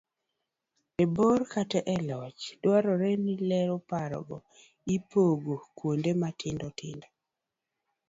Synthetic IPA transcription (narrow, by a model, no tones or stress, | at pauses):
eborkatɛʔɛlɔt͡ʃdwaɾɔɾɛnilɛɾopaɾɔ̰ɡɔ | ipoɡokwondematʰɪndɔtɪ̰ndɔ